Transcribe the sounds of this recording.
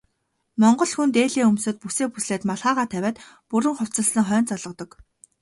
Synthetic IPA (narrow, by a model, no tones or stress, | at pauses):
mɔɴɢɞ̆ɮxunt̪eːɮeːɵmsɵ̆t̪̚puseːpusɮeːt̪maɮʁaːʁaːt̪ʰæwʲæːt̪ | puɾɘ̆ŋχʊw̥ʲt͡sə̆ɮsə̆ŋχœːnt͡sɔɮʁɞ̆t̪ɞ̆k